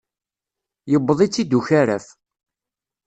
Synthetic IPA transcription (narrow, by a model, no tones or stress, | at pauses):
jəbːðˤit͡sːid̪uçaɾæf